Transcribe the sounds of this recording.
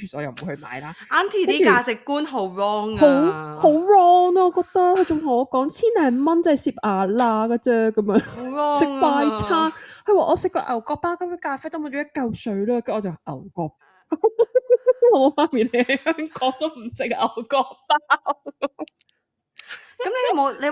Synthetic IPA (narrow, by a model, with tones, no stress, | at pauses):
kʰy˨˩si˨ɔ̰ː˨˧jɐ˨˩m̩˨˩u˨˧jhɵ˧ma̰ː˨˧jlaː˧˥ʔaː˨˥nt̪ʰiː˨˩taiː˦˥ykaː˨˩˧t͡sɪ˨kːuː˥nɦo˨˧˦wɹɔː˧ŋho˨˦˥who˨˧˥wɹɔː˧ŋaː˧ɔː˨˧kɔː˧k̚t̪ɐ˥khʰɵ˨˧t͡sʊ˨ŋɦɐ˨˩ɔː˨˧kɔː˨˥ŋt͡sʰiː˥nlɛː˨˩m˨˧mɐ˥nt͡sɐ˥˨jsiː˧p̚ʔaː˨laː˧kɐ˧t͡sɛ˧˥kɐ˨˦mjœː˨˧ŋɔ˧sɪ˨k̚paː˧jt͡sʰaː˥nkɐ˧waː˨ʔɔː˧sɪ˨kːɔ̰ː˧ʔɐ̰˨˩wkɔː˧pːaː˥wkɐ˨˦mkʰɵ˨˧˥kaː˧fɛ˥t̪o˥m˨˧˩t͡ʃo˨˧jɐ˥kːɐ˧wsɵ˨˥ɥlɔː˧kɐ˨˥mɔː˨˧˩t͡sɐ˨ʔɐ̰˨˩wkɔː˧k̚paaː˥w | ɔː˨˧mo˨˧wfaː˧˥nmiː˨˩le˨˧jɐ˨˧jhœː˥ŋkɔː˨˥ŋ̚t̪o˥wm̩˨˩sɪ˨k̚ʔɐ˨˩wkɔː˧k̚paː˥w | kɐ˨˦mle˧jjɐ˨mo˨˧le˨˧